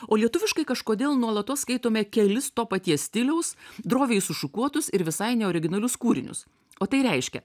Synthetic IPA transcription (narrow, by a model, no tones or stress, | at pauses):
oːlʲiɛt̪ʊʋʲɪʃkɐɪkɐʃkoːd̪ʲeːlˠnuɔlˠɐt̪oːsskɐɪt̪oːmʲɛkʲɛlʲɪst̪oːpɐt̪ʲiɛsʲt̪ʲɪlʲɛʊsd̪ɾoːʋʲeɪsʊʃʊkuɔt̪ʊsɪɾʋʲɪsɐɪnʲɛɔːɾʲɪɡʲɪnɐlʲʊskuːɾʲɪ̰nʲʊ̰s | oːt̪ɐɪɾʲɛɪʃʲkʲɛ̰